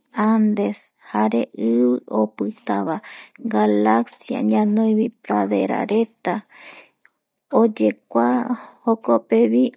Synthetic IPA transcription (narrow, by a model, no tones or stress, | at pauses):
and̪e̞s | haɾeʔɨβɨʔopɨt̪aβaɡalaksja̰ɲãnõj̃βipɾaðe̞̰ɾa̰ɾe̞t̪a | od͡ʒe̞kʷahokopeβi